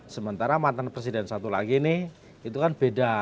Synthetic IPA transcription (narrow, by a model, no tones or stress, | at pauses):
səmənt̪aɾamant̪anpɾes̬idɛnsat̪ula̰ɡinɪh | it̪ukanb̥eda